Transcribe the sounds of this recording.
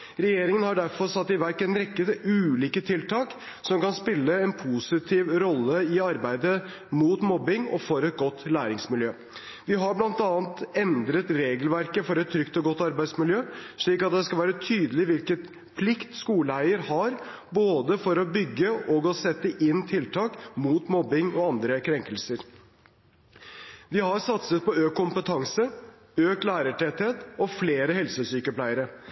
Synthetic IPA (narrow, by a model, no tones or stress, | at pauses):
ɾɛjeːɾɪŋənhɑɖæɾfɔɾsɑt̪ːɪʋæɾkɛnɾɛkːəʉːliːkət̪ʰɪlt̪ʰɑːk | sɔmkɑnspɪlːəɛnpʰusɪt̪ʰiːʋɾɔlːəɪɑɾbæɪd̪ə | muːt̪mɔbːɪŋɔ̰fɔɾɛt̪̚ɡɔt̪ːlæːɾɪŋsmɪljøː | ʋɪɦɑɾblɑnt̪ɑːnt̪ɛnd̪ɾət̪ɾeːɡəlʋæɾkəfɔɾɛt̪ʰːɾʏkt̪ɔɡɔt̪ːɑɾbæɪd̪smɪljøːʂɭiːkɑt̪̚d̪ɛskɑʋæːɾət̪ʰyːd̪əlɪʋɪlkət̪ | pʰlɪkt̪skuːləæɪəɾhɑɾboːd̪əfɔɾɔbʏɡːəʔɔɡɔsɛt̪ːəʔɪnːt̪ʰɪlt̪ʰɑːkmuːt̪mɔbːɪŋɔɑnd̪ɾəkʰɾɛŋkəlsəɾ | ʋɪhɑɾsɑt̪sət̪̚pɔøːkʰːʊmpət̪ʰɑŋsə | øːklæːɾəʈʰɛt̪heːt̪ɔfleːɾəhɛlsəsyːkəplæɪəɾə